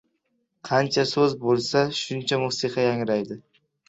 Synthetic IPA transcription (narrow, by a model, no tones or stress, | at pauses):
qʰɑnt͡ʃʰasɵzbolˠsaʃʊnt͡ʃʰamʊsiqʰɑjaŋɾajd̪ɪ